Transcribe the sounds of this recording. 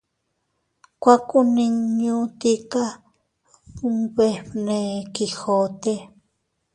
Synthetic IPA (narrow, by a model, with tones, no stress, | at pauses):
kʷa˦kʼu˦nĩ˧ŋɲũ˦t̪i˦ka˦ | u˦βe˧ne˧ki˧xo˨t̪e˦